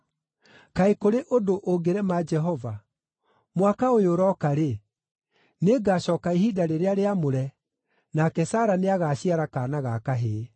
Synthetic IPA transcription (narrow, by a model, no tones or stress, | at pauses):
kaekoɾeʔodoʔoɡeɾɛmaːd͡ʒɛɦɔva | mwakaojoɾɔkaɾe | neɡaːɕɔːkaiɦidaɾeɾeaɾeamoɾɛ | nakɛsaːɾaneaɣaːɕiaɾakaːnaɣakaɦe